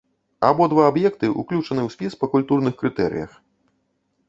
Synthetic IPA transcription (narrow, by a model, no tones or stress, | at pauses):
a̰bɔd̪vaːbjɛkt̪ɨʔṵklʲut͡ʂɐnɨwsʲpʲispɐkulʲt̪urnɨxkɾɨt̪ɛɾɨ̰jɐ̰x